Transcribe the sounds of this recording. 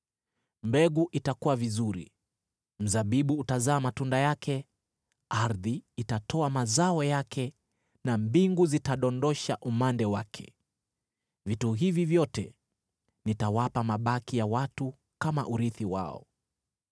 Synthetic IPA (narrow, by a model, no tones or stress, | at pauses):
mbɛɠuʔitakuwavizuɾḭ | m̩zaɓiɓuːtazaːmatundajakʰɛ | aɾðiitatʰɔamazaɔjakʰɛ | nambiŋɡuzitaɗɔndɔʃaʔumandɛwakʰɛ̰ | vituɦivivjɔtɛ̰ | nitawapamaɓakijawatu | kama̰ʔuɾiθiwa̰ɔ̰